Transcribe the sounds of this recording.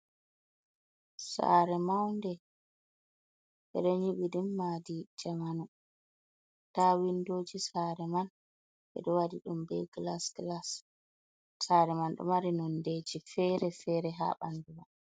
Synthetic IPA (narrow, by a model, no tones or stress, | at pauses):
sa̰ɾɛmawndɛ | ɓɛ̰ɗɔɲiɓiɗumːadid͡ʒamanu | tawindoːd͡ʒisaɾɛman | ɓɛ̰ɗɔwadiɗumbɛɡlasɡlas | saɾɛmanɗɔ̰maɾinɔndeːd͡ʒifɛɾɛfɛɾɛɦa̰ːɓanduma